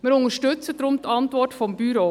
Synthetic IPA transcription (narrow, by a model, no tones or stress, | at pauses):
mɪːɾʊŋəʃtʏt͡sədɾʊmtʰɑntʋɔtfɔmbyɾoː